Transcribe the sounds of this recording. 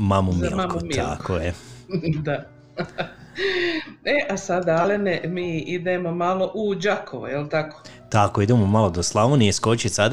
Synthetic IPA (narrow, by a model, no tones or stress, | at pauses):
mamumikua̰kʰojed̪a | eʔasad̪aalenemiːid̪emomalo̞ʔud͡ʒakʰoʋṵjelt̪ako̥ː | t̪akoid̪emomalod̪oslˠaʋonieskot͡ɕisad̪